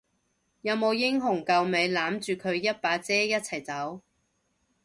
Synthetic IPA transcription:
jɐ˨˧wmo˨˧wjɪ˥ŋɦʊ˨˩ŋkɐ˨˧wme˨˧jlaː˨˥mt͡ʃyː˨kʰɵ˨˧ɥjɐ˥t̚paː˨˧t͡sɛː˥jɐ˥t̚t͡sʰɐ˨˩jt͡sɐ˨˥w

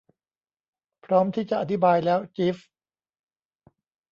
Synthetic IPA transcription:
pʰɾɔː˦˥mt̪ʰiː˥˩t͡ɕa˨˩ʔa˧t̪ʰi˦˥baː˧jlɛː˦˥wt͡ɕiː˦˥f

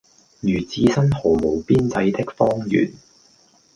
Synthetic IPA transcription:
jyː˨˩t͡siː˧sɐ˥nho˨˩mo˨˩wpiː˥nt͡sɐ˧jt̪ɪ˥k̚fɔː˥ŋjy̰ː˨˩n

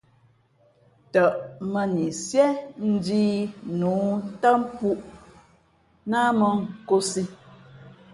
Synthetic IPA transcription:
tə˨ʔmə˨ni˨sjɛ˦n̩˦diː˦nuː˨˦n̩˦ta˦m˦pu˦ʔ | na˦mə˨ŋ̩˨ko˦si˦

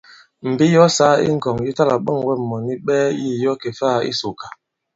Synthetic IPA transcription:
m̩˨bi˦jɔ˦saː˦ḭ˦ŋ̩˨kɔ˨ŋji˦ta˦la˨ɓɔ˦˨ŋwɛ˦˨mɔ˨ni˦ɓɛː˦ji˦˨jɔ˦ke˨faː˦˨ḭ˦so˨ka˨

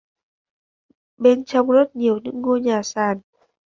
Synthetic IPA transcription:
ɓe˧nt͡ɕɔ˧wŋ͡mzə˦˥t̚ɲi˨˩əwɲɨ̰˧˥ŋːu˧əɲaː˨˩saː˨˩n

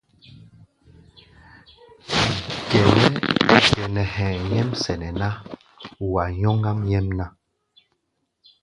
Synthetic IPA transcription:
kɛ˨nɛ˦kɛ˨nɛ˨hɛ̃˨jɛ˦msɛ˨nɛ˨na˦ | wa˨ɲɔ˦ŋɡa˦mjɛ˦mna˦

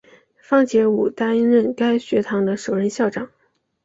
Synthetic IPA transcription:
fɑ˥ŋt͡ɕjɛ˧˥u˨˩t̪a˥n˥ɻə˥˩nka˥ɪɕɥɛ˧˥t̪ʰɑ˧˥ŋd̪ə˧ʂo˨˩ʊɻə˧˥nɕjɑ˥˩ʊʈ͡ʂɑ˨˩˦ŋ

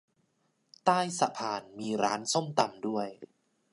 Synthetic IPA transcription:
t̪aː˥˩jsa̰˨˧˩pʰaː˧nmiː˧ɾaː˦˥nso˥˩mt̪a˧mdu˥˩əj

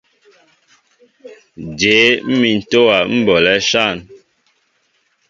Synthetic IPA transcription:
d͡ʒe˨˦m̩˦mi˨n̩˨to˦wa˨m̩˦bɔ˨lɛ˦ʃa˦˨n

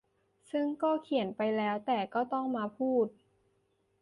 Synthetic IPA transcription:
sɯ˥˩ŋkɔː˥˩kʰi˨˩˦ənpa˧jlɛː˦˥wt̪ɛː˨˩kɔː˥˩t̪ɔ˥˩ŋmaː˧pʰuː˥˩t̪̚

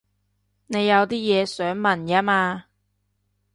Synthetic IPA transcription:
ne˨˧jːɐ˨˧wt̪iː˥jɛː˨˧sœː˨˥ŋmɐ˨njaː˥maː˧

